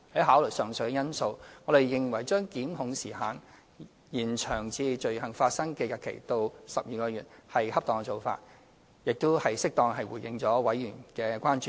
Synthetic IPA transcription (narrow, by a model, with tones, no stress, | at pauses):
hɐ˨˥jɦaː˨˥wlɵ˨˩sœː˨ŋsɵ˨˧jkɛ˧jɐ˥nso˧wŋɔ˨˧ɾe˨jːɪ˨ŋwɐ˨˩jt͡ʃœː˥ŋkiː˨˥mɦʊ˨˧ŋsiː˨˩haː˨n | jiː˨˩nt͡ʃʰœː˨˩ŋt͡sʰiː˧t͡ʃɵ˨˧ɥɦɐ˨˩ŋfaː˧t̚sɐ˥ŋkɛ˧jɐ˨˧kʰḛ˨˩jt̪o˧wsɐ˨p̚jiː˨kɔː˧jyː˨t̚hɐ˨jhɐ˥p̚t̪ɔː˨ŋkɛ˧t͡so˨˩wfa̰ː˧t̚ | jɪ˨k̚t̪o˥whɐ˨jsɪ˥k̚t̪ɔː˧ŋɦɐ˨jwṵː˨˩jɪ˧ŋt͡sɔː˨˥wɐ˨˥jjyː˨˩nkɛː˧kʷaː˥nt͡ʃyː˨